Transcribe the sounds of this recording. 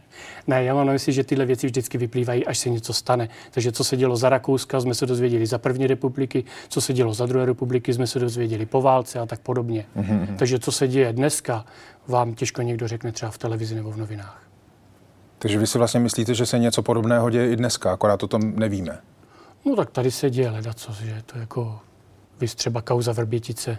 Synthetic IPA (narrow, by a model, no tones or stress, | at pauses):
nɛjaːmaːmnamɪslimʒɛt̪ɪdlɛvjɛt͡sɪvʒdɪt͡skɪvɪpliːvajiːʔaʃsɛɲɛt͡so̞st̪anɛ | t̪aɡʒɛt͡so̞sɛɟɛlo̞zaɾako̞wskazmɛsɛdo̞zvjɛɟɛlɪzapr̩vɲiːɾɛpublɪkɪt͡so̞sɛɟɛlo̞zad̪ɾuɦɛːɾɛpublɪkɪzmɛsɛdo̞zvjɛɟɛlɪpo̞vaːlt͡sɛat̪ak̚podo̞bɲɛɦt̪aɡʒɛt͡so̞sɛɟɛjɛdnɛskavaːmcɛʃko̞ɲɛɡdo̞rɛknɛt̪r̥ɛbaft̪ɛlɛvɪzɪnɛbo̞vno̞vɪnaːx | t̪aɡʒɛvɪsɪvlast̪ɲɛmɪsliːt̪ɛʒɛsɛɲɛt͡so̞podo̞bnɛːɦoɟɛjɛɪdnɛskaakoɾaːt̪ot̪omnɛviːmɛ | not̪ak̚t̪adɪsɛɟɛjɛlɛdat͡sosʒɛt̪ojakʰo̞ | vɪst̪r̥ɛbakawzavr̩bjɛcɪt͡sɛ